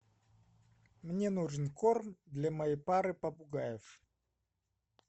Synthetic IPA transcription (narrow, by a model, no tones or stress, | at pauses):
mnʲenuʐɨnkormd̪lʲamɐjejpaɾɨpɐpʊɡajɪf